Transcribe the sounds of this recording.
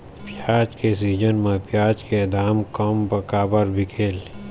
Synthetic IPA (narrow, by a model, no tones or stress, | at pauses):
pjaːt͡ʃkes̬iːd͡ʒənmẽpjaːt͡ʃked̪ʱaːmkɐmbɐkaːbəɾbʱɪkʰeːl